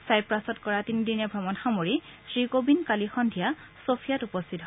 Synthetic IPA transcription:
sajpɹasɔtkɔɹatinidinɛbʱɹɔmɔnxamoɹisɹikobinkalixɔndʱija | sopʰijatupɔstʰitɦ

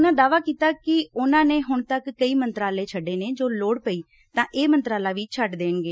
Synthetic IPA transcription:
nãːd̪aːʋaːkiːt̪aːkɪʊnãːneːɦʊɳt̪əkːəiːmənt̪ɾaːleːt͡ʃʰəɖːeːneːd͡ʒoːloːɽpəiː | t̪ãːʔeːmənt̪ɾaːlaːʋiːt͡ʃʰəʈd̪eːɳɡeː

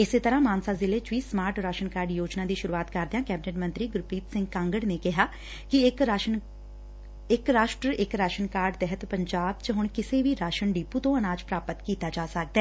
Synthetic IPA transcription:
ɪseːt̪əɾãːmaːnsaːzɪleːt͡ʃʋiːsmaːɾʈɾaːʃənkaːɾɖjoːd͡ʒnãːd̪iːʃʊɾuːaːt̪kəɾd̪eãːkɛːbɪneːʈmənt̪ɾiːɡʊɾpiːt̪sɪ̃ŋɡkãːŋɡəɽneːkɪɦaː | kɪk | ɪkɾaːʃʈɾəʔɪkɾaːʃənkaːɾɖt̪ɛɦət̪pəɲd͡ʒaːbt͡ʃɦʊɳkɪseːʋiːɾaːʃəɳɖiːpuːt̪õːənaːd͡ʒpɾaːpət̪kiːt̪aːd͡ʒaːsək̚d̪aɛː

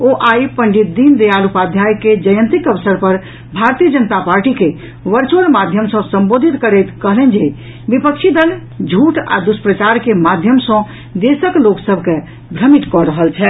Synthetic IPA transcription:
oʔaipəɳɖit̪̚d̪ind̪ejalupad̪ʱjajked͡ʒəjə̃nt̪ɾikəʋsəɾpəɾ | bʱaɾt̪ijəd͡ʒənət̪apaɾʈike | ʋəɾt͡ʃoɽmad̪ʱjəmsə̃səmbod̪ʱit̪kəɾɛt̪kəɦlɛnd͡ʒe | bipəkt͡ʃʰid̪əl | d͡ʒʱuʈa̰d̪uspɾət͡ʃaɾkemad̪ʱjəmsə̃ | d̪esəkloksəbʱke | bʱɾəmit̪kɔɾəɦəlt͡ʃʰɛ

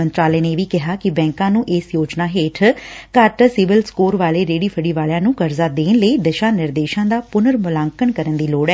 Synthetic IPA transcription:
ənt̪ɾaːlɛːneːʋiːkɪɦaːkɪbɛ̃ːŋkãːnũːʔeːsjoːd͡ʒnaːɦeːʈʰkəʈsɪʋɪlskoːɾʋaːleːɾeːɽiːpʰəɽiːʋaːljãːnũːkəɾzaːd̪eːnləiːd̪əʃãːnɪɾd̪eːʃãːd̪aːpʊnəɾmʊlãːŋkəɳkəɾənd̪iːloːɽɛː

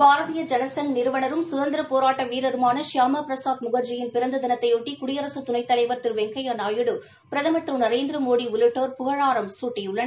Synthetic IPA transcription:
baːɾɐðɪjɐd͡ʒɐnɐsɐŋnɪɾɯʋɐnɐɾɯmsʊðɐnd̪ɪɾɐpoːɾaːʈːɐʋiːɾɐɾɯmaːnɐʃjaːmɐpɾɐsaːd̪mʊɣɐɾd͡ʒɪjɪnpɪɾɐnd̪ɐd̪ɪnɐt̪ːɐjoːʈːikʊɽɪjɐɾɐsɯt̪ʊnɐɪt̪ːɐlɐɪʋɐɾt̪ɪɾʋɛŋɡɐjɐnaːjɯɽɯ | pɪɾɐðɐmɐt̪ɾɯnɐɾeːnd̪ɪɾɐmoːɽiʊlɯʈːoːɾpʊɣɐɻaːɾɐmsuːʈːɐjʊɭːɐn

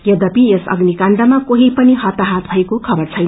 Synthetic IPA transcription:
jʌd̪ʌpijesʌ̰ɡnikaɳɖʌmakoɦipʌniɦʌt̪aɦat̪bʱʌekokʰʌbʌrt͡sʰʌjn

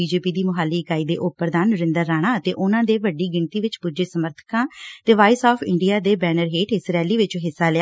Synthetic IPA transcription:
iːd͡ʒeːpiːd̪iːmʊɦaːlːiːkaːiːd̪ḛːʔʊpːəɾd̪aːnəɾɪ̃nd̪əɾːaːɽ̃aːət̪eːʔʊnãːd̪eːʋəɖːiːɡɪɳt̪iːʋɪt͡ʃpud͡ʒeːsəməɾt̪ʰə̥kãːt̪eːʋaːɪsaːpʰɪɳɖijaːd̪eːbɛːnəɾɦeːʈʰɪsɾɛːliːʋɪt͡ʃɦɪsːaːlɪa

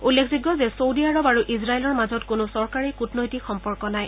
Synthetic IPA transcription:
ulːekʰziɡɔzɛsowdiaɹɔbaɹuʔizɹaelɔɹmazɔtkʊnʊsɔɹkaɹekutnɔjtixɔmpɔɹkɔnaj

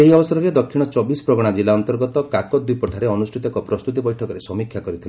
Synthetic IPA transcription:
eɦiɔbɔsɔɾɔɾed̪ɔkʰːiɽ̃ɔt͡ʃɔbisɔ̥pɾɔɡɔɽ̃ad͡ʒilaɔnt̪ɔɾɡɔt̪ɔkakɔd̪ujpɔʈʰaɾeɔnusʈʰit̪ɔŋkɔpɾɔst̪ut̪̬ibɔjʈʰɔkɔɾesɔmikʰjakɔɾit̪ʰile

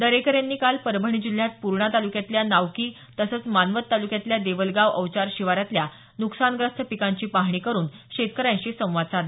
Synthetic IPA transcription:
d̪əɾekəɾjanːiːkalpəɾbʱəɳ̃iːd͡ʑil̤jat̪̚puɾɳat̪alukjat̪ljanaʋkiː | t̪əsət͡smanʋət̪ːalukjat̪ljad̪eʋəlɡaʋəʋt͡ɕaɾɕiʋaɾjat̪lja | nuksanɡɾəst̪ʰəpikaɲt͡ɕiːpaɦɳiːkəɾuːnɕet̪̚kəɾãjɕisə̃w̃ʋad̪̚t͡sad̪e

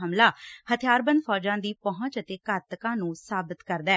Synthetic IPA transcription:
ɦəmlaːhət̪ʰɪjaːɾbə̃nd̪fʰɔːd͡ʒãːd̪iːpəɦʊ̃t͡ʃət̪eːkəɾt̪kãːnũːsaːbɪt̪kəɾd̪ɛː

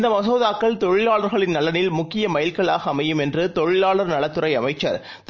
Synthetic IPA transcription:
nd̪ɐmɐsoːðaːkːɐɭt̪ɔɻɪlaːɭɐɾɣɐɭɪnnɐlɐnɪlmʊkːɪjɐmɐjɪlkɐɭaːɣɐːmɐjɯmɛndrɯt̪ɔɻɪlaːɭɐɾnɐɭɐt̪ːɯɾɐɪɐmɐɪt͡ʃːɐ̰ɾ | t̪

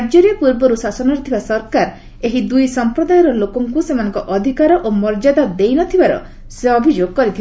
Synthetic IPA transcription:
ad͡ʒɔɾijɔpuɾbɔɾusasɔnɔɾit̪ʰibasɔɾkaɾ | eɦid̪ujsɔmpɾɔd̪ajɔɾɔlokɔŋkusemanɔ̃ŋkɔʔɔd̪ʱikaɾɔʔomɔɾd͡ʒad̪ad̪ejnɔt̪ʰibaɾɔ̰ | seɔbʱid͡ʒoɡɔkɔɾit̪ʰiba

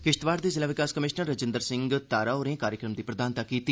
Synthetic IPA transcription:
kɪʃt̪ʋaːɾd̪iːzɪlaːʋɪkaːskəmɪʃnəɾːəd͡ʒɪ̃nd̪əɾsɪ̃ŋɡt̪aːɾaːoːɾẽːkaːɾjəkɾəmd̪iːpɾəd̪aːnt̪akiːt̪iː

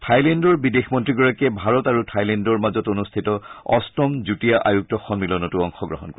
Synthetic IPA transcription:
tʰajlɛndɔɹbidexmɔntɹiɡɔɹakɛbʱaɹɔtaɹutʰajlɛndɔɹmazɔtonustʰitɔɔ̰stɔmzutijaʔajuk̚tɔxɔnmilɔnɔtuɔŋxɔɡɹɔɦɔnkɔ

